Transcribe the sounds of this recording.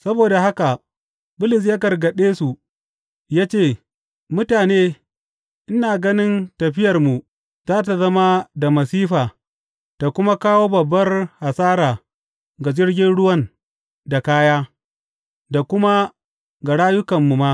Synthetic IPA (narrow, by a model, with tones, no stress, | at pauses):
sɐ˦boː˨da˨ha˦ka˨ | bʊ˦lɪ˨s̬ja˦kɐ˨rɡɐ˨ɗeː˦su˨ | jaː˦t͡ʃeː˦˨ | mʊ˦taː˨neː˦ | ʔɪ˦naː˨ɡɐ˦nɪ˦ntɐ˨ɸɪ˦jɐ˨rmu˨ | zaː˦t̬a˨zɐ˦ma˦da˨mɐ˨siː˦ɸaː˨ | ta˨kʷʊ˦ma˦kaː˦woː˦bɐ˨bːɐ˦rha˨saː˦ɾaː˨ | ɡa˨d͡ʒɪ˦rɡʲɪ˦nɽʊ˦wɐ˦n | da˨kaː˦jaː˦ | da˨kʷʊ˦ma˦ | ɡa˨ɽaː˦jʊ˦kɐ˨mːu˨ma˦